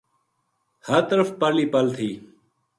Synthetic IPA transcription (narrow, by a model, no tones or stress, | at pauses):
həɾt̪əɾəfpəliːpɐlt̪ʰiː